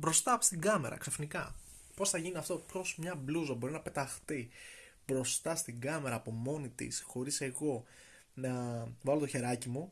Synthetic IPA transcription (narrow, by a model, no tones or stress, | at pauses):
bɾo̞st̪ɐst̪iɡɐme̞ɾɐ̰ksefnikɐ | po̞sθɐʝiniɐft̪o̞pço̞smɲɐbluzɐbo̞ɾinɐpe̞t̪ɐxθi | bɾo̞st̪ɐst̪iɡɐme̞ɾɐːpo̞mo̞nit̪ḭsxo̞ɾise̞ɣo̞ | nɐvɐlo̞t̪oçe̞ɾɐcimu